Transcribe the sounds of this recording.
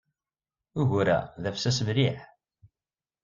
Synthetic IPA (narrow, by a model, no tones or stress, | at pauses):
uʝɾæ̰ðæfsæsəmɾiħ